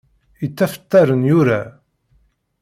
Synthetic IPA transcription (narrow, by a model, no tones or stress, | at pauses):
it͡sːæfə̥t̪ːæɾənjʊɾa